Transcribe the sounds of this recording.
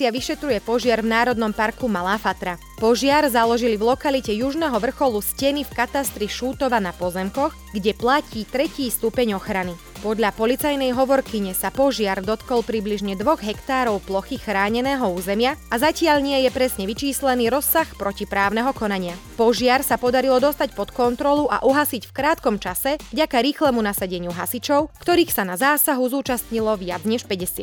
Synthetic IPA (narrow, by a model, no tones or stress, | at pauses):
t͡sɪaʋiʃɛt̪ɾujɛpɔʒɪaɾvnaːɾɔd̪nɔmpaɾkumalaːfat̪ɾa | pɔʒɪaɾzalɔʒilivlˠɔkalicɛjuʒnɛɦɔʋr̩xɔluscɛnifkat̪ast̪ɾiʃuːt̪ɔʋanapɔzɛmkɔx | ɡɟɛplaciːt̪ɾɛciːst̪upɛɲɔxɾani | pɔd̪ʎapɔlit͡sajnɛjɦɔʋɔɾkiɲɛsapɔʒɪaɾd̪ɔt̪kɔlˠpɾibliʒɲɛd̪ʋɔɣɦɛkt̪aːɾɔʊplɔxixɾaːɲɛnɛːɦɔuːzɛmɪaazacɪaʎɲɪɛjɛpɾɛsɲɛʋit͡ʃiːslɛniːɾɔsːaxpɾʔɔcipɾaːʊnɛɦɔkɔnaɲɪapɔʒɪaɾsapɔd̪aɾilɔd̪ɔst̪acpɔt̪kɔnt̪ɾɔluʔa̰ʔuɦasicfkɾaːt̪kɔmt͡ʃasɛvɟakaɾiːxlɛmunasaɟɛɲɪuɦa̰sit͡ʃɔʊkt̪ɔɾiːxsanazaːsaɦuzuːt͡ʃast̪ɲilɔʋɪa̰d͡zɲɛʃpɛɟɛsɪat̪